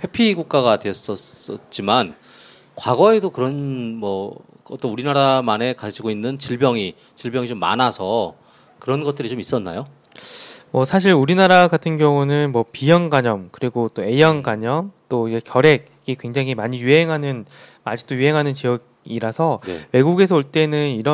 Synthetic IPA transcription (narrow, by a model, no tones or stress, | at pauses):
pʰe̞pʰiɡuk̚k͈aɡadweʌs͈ʌs͈ʌt͡ɕ͈iman | kwaɡʌe̞dokɯɾʌnmʌ | ʌt͈ʌnuɾinaɾamane̞kad͡ʑiɡoinːɯnt͡ɕiɭbjʌŋi | t͡ɕiɭbjʌŋit͡ɕomːa̰nasʰʌ | kɯɾʌnɡʌt̚t͈ɯɾit͡ɕomis͈ʌnːa̰jo | mʌsʰaɕ̬ʰiɾuɾinaɾaɡatʰɯnɡjʌŋunɯnmʌpijʌŋɡaɲʌmkɯɾiɡot͈oe̞jʌŋɡaɲʌŋt͈oiɡekjʌɾe̞ɡ̚iɡekwe̞ŋd͡ʑaŋimaɲijuɦe̞ŋɦanɯn | ad͡ʑi̥k̚t͈ojuɦe̞ŋɦanɯnt͡ɕijʌɡ | iɾasʰʌn̰we̞ɡuɡe̞sʰʌuɭt͈e̞nɯniɾʌ